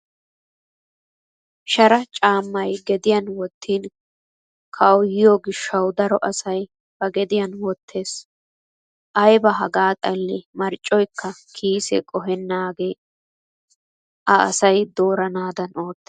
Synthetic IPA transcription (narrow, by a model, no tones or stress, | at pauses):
ʃɐɾɐt͡ʃʼaːmːɐjɡɛd̪ɪjɐnwɔt̪ʰːiːn | kʰɐwjɪjoɡɪʃːɐwd̪ɐɾɔʔɐsɐj | b̥ɐɡɛd̪ɪjɐnwɔt̪ʰːe̞ːs | ʔɐjbɐɦɐɡaːt̪ʼɐlːɛmɐɾt͡ʃʼːɔjkʰːɐkʰiːsɛ̰kʼɔɦɛnːaːɡe̞ː | ʔɐʔɐ̰sɐjd̪oːɾɐnaːd̪ɐno̞ːt̪ːe